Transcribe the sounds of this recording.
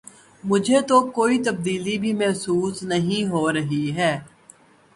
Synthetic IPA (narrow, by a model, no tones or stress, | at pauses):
mʊd͡ʒʱet̪okoːit̪ɐb̚d̪iːlibʱimɛɦsuːsnɐɦĩɦoɾɐɦiɦɛː